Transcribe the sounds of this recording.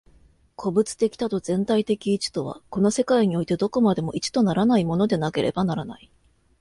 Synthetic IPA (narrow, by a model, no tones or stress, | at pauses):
kʰo̞bɯ̟t͡sɨ̥t̪e̞kʲi̥t̪at̪o̞zẽ̞nt̪ait̪e̞kʲiːt͡ɕi̥t̪o̞β̞a̰ko̞no̞se̞kaiɲ̟io̞it̪e̞d̪o̞ko̞mad̪e̞mo̞ʔit͡ɕi̥t̪o̞naɾanaimo̞no̞d̪e̞nake̞ɾʔe̞̰banaɾana̰i